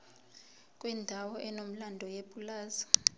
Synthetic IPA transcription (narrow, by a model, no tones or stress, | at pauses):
kʼwɛndʱawɔʔɛnom̩landʱɔjeɓʼulaːza